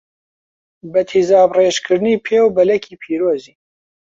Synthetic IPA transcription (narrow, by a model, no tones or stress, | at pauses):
bɐt̪ʰizaːbreːʃkʰɨɾɨniːpʰeːwbɐlɐkʰiːpʰiːɾoːziː